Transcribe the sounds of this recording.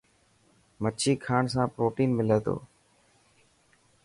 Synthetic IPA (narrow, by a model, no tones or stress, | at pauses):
mət͡ʃʰiːkʰaːɳsãːpɾoːʈiːnmɪleːt̪o̰ː